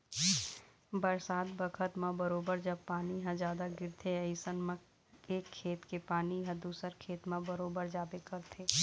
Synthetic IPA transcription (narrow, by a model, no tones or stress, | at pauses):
bəɾsaːd̪bəkʰət̪mãbəɾoːbəɾd͡ʒɐbpːaːniɦãd͡ʒaːd̪aɡɪɾt̪ʰeɐɪsənmə̃ | eːkʰːeːt̪kepaːniɦɐ̃d̪uːsəɾkʰeːt̪mãbəɾoːbəɾd͡ʒaːbekəɾt̪ʰeː